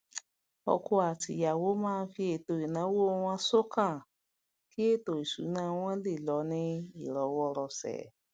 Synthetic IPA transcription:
ɔ̰˧ko˧˦a˨ti˨ja˨wo˨˦mãː˦˧˦fi˧e˨to˨i˨nã˨˦wo˦˧w̃ã˧so˦kã˦˨ | ki˦e˦˨to˨i˨sṵ˨˦nã˧˦w̃ɔ̃˦le˦˨lɔ˨˦nĩ˦i˨ɾɔ˨˦wɔ˦˧ɾɔ˧sɛ̰˨˦

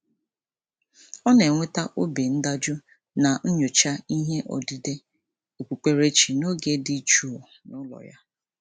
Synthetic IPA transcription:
ɔ˦ne˨ŋʷe˦ta˦ʔo˦be˨n̩˦da˦d͡ʒʊ˦ | na˨n̩˦ɲʊ˨t͡ʃa˦i˦ɦe˦ʔɔ̰˨di˨de˦ | o˨kʷu˨k͡pe˨ɾe˦t͡ʃi˨no˦ɡe˦dɪ˨˦t͡ʃu˦˨ | nʊ˦lɔ̰˨ja˦

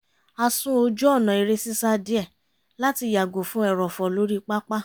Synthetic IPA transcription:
a˧sũ˦o˧d͡ʒu˦ɔ˦˨nã˨i˧ɾe˧si˦sa˦˧di˦ɛ˦˨ | la˦ti˧ja˨ɡo˨fũ˨˦ɛ˦˨ɾɔ˨fɔ˨lo˨˦ɾi˦k͡pa˦k͡pa˦

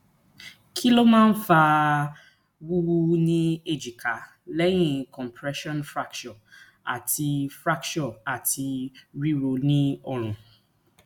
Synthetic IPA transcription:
kʰi˦lo˦mãː˦n̩˦fa˧ | wu˦wu˦nĩ˦e˨d͡ʒi˨ka˨˦ | lɛ˦j̃ĩ˦˧kɔ̃˨mpʰɾɛ˦ʃɔ̃˦nfɾa˦kʃɔ̃˨ | a̰˨ti˧fɾa˦kt͡ʃɔ˦˨a˨ti˧ɾi˦ɾo˧nĩ˦ɔ˧ɾ̃ũ˨

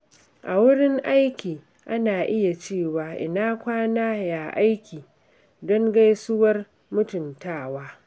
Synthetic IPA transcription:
ʔa˨wʊ˦ɽɪ˦ŋʔa˦jkʲiː˨ | ʔa˦naː˨ʔɪ˦ja˨t͡ʃeː˦˨waː˨ʔɪ˨naː˦kʷaː˦naː˦ja˨ʔa˦jkʲiː˨ | dɔ˦ŋɡa˦jsʊ˦wɐ˦r | mʊ˦tʊ˨ntaː˦˨waː˦

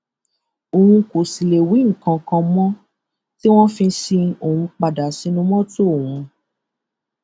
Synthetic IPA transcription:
o˨wũ˧ko˨si˨le˨wi˨˦ŋ̩˨kã˧kã˧mɔ̃˦ | ti˦w̃ɔ̃˦fĩ˧si˧o˨w̃ũ˧k͡pa˨da˨si˨˦nũ˦mɔ̃˦to˦˨wũ˧

